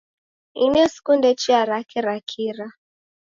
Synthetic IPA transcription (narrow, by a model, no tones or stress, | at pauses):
inɛsi̥kundɛt͡ʃiaɾakɛɾakʰiɾa